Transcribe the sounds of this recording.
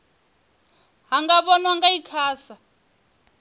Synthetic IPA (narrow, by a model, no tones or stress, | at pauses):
ɦaŋɡaɓɔnwaŋɡaikʰaːsa